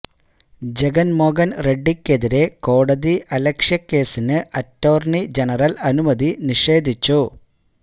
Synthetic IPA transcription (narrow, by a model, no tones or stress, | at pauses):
d͡ʑe̞ɡɐnmo̞ːɡɐnre̞ɖːikːe̞ðiɾe̞ko̞ːɽɐðiʔɐlɐkʂjɐkːe̞ːsinɨʔɐtːo̞ːrɳid͡ʑe̞nɐrɐlɐnumɐðiniʂe̞ːd̪ʱit͡ɕːu